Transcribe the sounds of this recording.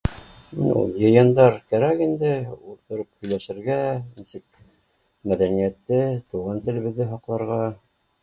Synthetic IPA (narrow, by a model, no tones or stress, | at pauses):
nṵjɤ̆jɤnd̪ɑɾkæɾækind̪ɘult̪ŏɾɤp̚hɵ̆jlæʃɘ̆ɾɡænisɘk | mæðænijæt̪ːɘt̪uʁɑnt̪ɘ̆lɘ̆βɘ̆ðːɘɦɑqlˠɑɾʁɑ